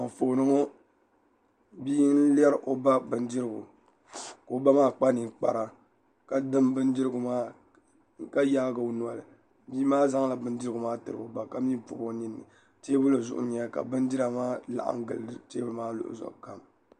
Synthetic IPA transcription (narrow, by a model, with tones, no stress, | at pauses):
ma˨foː˨nɨ˦ŋo˦ | biː˦n̩˦lɛ˦ɾʔo˨ba˦bɨ˨ndɨ˦ɾɨ˦˨ɡʊ̰˨ | ko˨ba˦maː˦k͡pa˦ni˨k͡pa̰˨ɾa˨ | ka˨dɨ˦mbɨ˦n˦di˦ɾɨ˦ɡʊ˨maː˦ | ka˦ja˦ɡa˨o˦nu˨a˨lɨ˨ | biː˦maː˦za˦ŋla˨bɨ˦ndɨ˦ɾɨ˦ɡʊ˨maː˦tɨ˨ɾɨ˨o˨ba˨ka˦mi˦pʊ̰˨bo˦ɲi˦nːɨ̰˨ | teː˦bʊ˦lɨ˨zʊ˨ʔʊ̰˦ɲɛ˦ka̰˨bɨ˦n˦di˦ɾa˨maː˦la̰˨ʔa̰˨ŋ̩˦ɡɨ̰˨lɨ˨˦dɨ˦teː˦bɨ˦maː˦lʊ̰˨ʔʊ̰˨zɔ̰˨ʔka˨m